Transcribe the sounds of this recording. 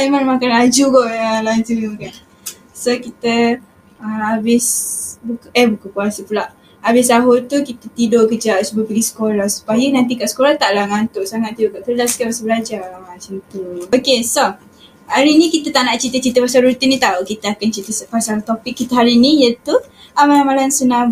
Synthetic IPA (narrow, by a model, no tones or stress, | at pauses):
aimanmakanlad͡ʒuɡɔʔjəlaɲd͡ʒumakan | sokit̪ə | əmabɪsbukʔəhbukəkuasəpulaʔ | abɪs̬aɦot̪ukit̪ət̪idoʔkəd͡ʒaʔsubəpəɡisə̥kolahsu̥pajənant̪̬ikaʔsə̥kolaht̪aʔlahŋant̪oʔsaŋat̪̚ːidoʔkaʔk̪ədaskapasəbəlad͡ʒamat͡ʃəmt̪uokeso | haɾinĩkit̪ət̪aʔnaʔt͡ʃit̪ət͡ʃit̪əpasalɾut̪inːĩt̪aukit̪əakant͡ʃit̪əsəpasalt̪opɪkːit̪əɦaɾinĩjət̪u | amalamalansəna